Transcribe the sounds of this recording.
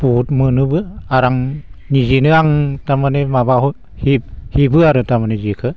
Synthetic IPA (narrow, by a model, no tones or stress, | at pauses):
putmɯnɯbɯaɾaŋnizinɯaŋtamanemabaɦɔ | hib̚hibɯaɾɯtamanezikʰɯ